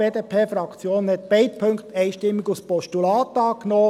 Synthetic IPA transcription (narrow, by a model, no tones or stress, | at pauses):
eːdeːpʰeːfɾɑkt͡sjoːnhɛt̪̚b̥ɛɪt̪̚pʰɵŋkχt̪ɛɪʃtɪmːiɡuspɔʃtulɑːt̪ɑːknoː